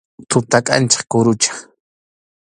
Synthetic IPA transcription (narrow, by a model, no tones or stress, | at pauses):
t̪ʊt̪akʼa̰nt͡ʃḁχkʊɾʊt͡ʃḁχ